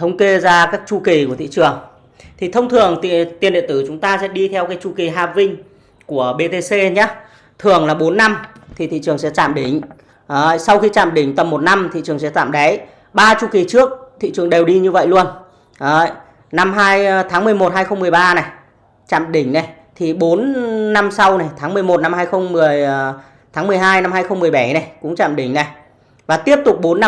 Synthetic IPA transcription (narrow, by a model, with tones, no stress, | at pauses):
t̪ʰə˧wŋ͡mke˧zaː˧kaː˦˥k̚t͡ɕu˧ki˨˩ku˧˩ət̪ḭ˧˨t͡ɕɨ˨˩əŋ | t̪ʰi˨˩t̪ʰə˧wŋ͡mt̪ʰɨ˨˩əŋt̪t̪i˨˩ənɗḭ˧˨nt̪ɨ˧˩t͡ɕʊ˨˦ŋ͡mt̪aː˧sɛ̰˧˥ɗi˧t̪ʰɛ˧wkaː˨˦jt͡ɕu˧ki˨˩ɦaː˧˩p̚vï˧ŋ̟ | ku˧˩əɓe˧t̪e˧se˧ɲa˨˦˥ | t̪ʰɨ˨˩əŋlaː˨˩ɓo˨˦nːa˧mt̪ʰi˨˩ḭ˧˨t͡ɕɨ˨˩əŋsɛ̰˧˥t͡ɕaː˧˨mɗi˧˩ŋ̟ː˨˧˨ | jsa˧wxi˧t͡ɕa̰ː˧˨mɗï˧˩ŋ̟t̪ə˨˩mːo˨˩t̚na˧mt̪ʰḭ˧˨t͡ɕɨ˨˩əŋsɛ̰˧˥t̪a̰ː˧˨mɗa˨˦j | ɓaː˧t͡ɕu˧ki˨˦t͡ɕɨ˦˥ək̚t̪ʰḭ˧˨t͡ɕɨ˨˩əŋɗe˨˩wɗi˧ɲɨ˧və̰˧˨jlu˧ən | ə˨˦˨j | na˧mɦaː˧jt̪ʰaː˨˦ŋmɨ˨˩əjmo˨˩t̚ɦaː˧jxə˧wŋ͡mmɨ˨˩əjɓaː˧na˨˩j | t͡ɕa̰ː˧˨mɗï˧˩ŋ̟na˨˩j | t̪ʰi˨˩ɓo˨˦nːa˧msa˧wna˨˩jt̪ʰaː˨˦ŋmɨ˨˩əjmo˨˩t̚na˧mhaː˧jxə˧wŋ͡mmɨ˨˩əj | t̪ʰaː˨˦ŋmɨ˨˩əjɦaː˧jna˧mhaː˧jxə˧wŋ͡mm˨˩əjɓa˧˩na˨˩jkʊ̰˧˥ŋ͡mt͡ɕa̰ː˧˨mɗï˧˩ŋ̟na˨˩j | vaː˨˩t̪i˦˥əp̚t̪ʊ˨˩k͡p̚ɓo˨˦nːa˧